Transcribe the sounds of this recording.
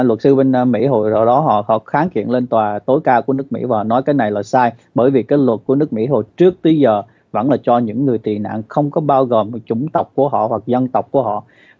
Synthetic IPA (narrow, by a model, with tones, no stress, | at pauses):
lwə˨˩t̚sɨ˧ɓe˧n˧mḭ˧˥ɦo̰˧˨jzə̰ː˧˨˩ɗɔ˨˦ɦɔ̰˧˨hɔ̰˧˨xaː˨˦ŋkḭ˧˨ənle˧nt̪waː˨˩t̪o˨˦jkaː˧ku˧˩ənɨ˦˥ək̚mḭ˧˥vaː˨˩hɔ̰˧˨nɔ˨˦jkaː˨˦jna˨˩jlaː˨˩saː˧jɓəː˧˩jvi˨˩kaː˨˦jlwə˨˩t̚ku˧˩ənɨ˦˥ək̚mḭ˧˥ɦo̰˧˨jt͡ɕɨ˦˥ək̚t̪ə˨˦zəː˨˩ | və̰˧˥nlaː˨˩t͡ɕɔ˧ɲɨ̰˧˥ŋːɨ˨˩əjt̪i˨˩na̰ː˧˨ŋxə˧wŋ͡mkɔ˨˦ɓaː˧wɣo˨˩mt͡ɕʊ˧˩ŋ͡mt̪ə˨˩wk͡p̚ku˧˩əɦɔ̰˧˨hwa˨˩k̚zə˧nt̪ə˨˩wk͡p̚ku˧˩əɦɔ̰˧˨